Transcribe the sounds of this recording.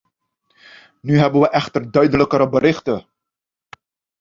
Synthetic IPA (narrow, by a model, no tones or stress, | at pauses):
nyɦɛbənʋəʔɛχtərdœɥdələkəɾəbəɾɪχtə